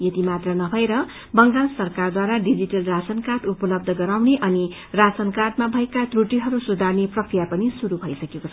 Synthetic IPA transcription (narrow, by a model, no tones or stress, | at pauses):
jʌt̪imat̪rʌnʌbʱʌeɾʌ | bʌŋɾansʌrkard̪waɾaɖid͡ziʈʌlrasʌnkarʈupʌlʌb̚d̪ʱʌɡʌɾawneʔʌni | rasʌnkarʈ̚mabʱʌekat̪ruʈiɦʌɾusud̪ʱarneprʌkrijapʌnisuɾubʱʌjsʌkekot͡sʰʌ